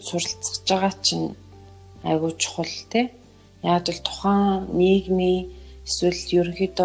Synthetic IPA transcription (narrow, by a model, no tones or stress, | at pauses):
sʊɾə̆ɬt͡sə̥̆kt͡ɕə̆ʁaːt͡ɕʰɪ̆n | æ̰ɣʊːt͡ɕɪ̥̆χʊɮt̪ʰeː | jaːt͡ɕɪ̆ɮt̪ʰʊ̥χæːŋneːɣniːeswɘ̆ɮt̪jɵɾxit̪